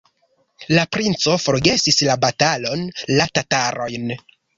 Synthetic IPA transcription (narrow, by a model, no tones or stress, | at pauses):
lapɾint͡so̞fo̞ɾɡe̞sislabatalo̞nlatataɾo̞jn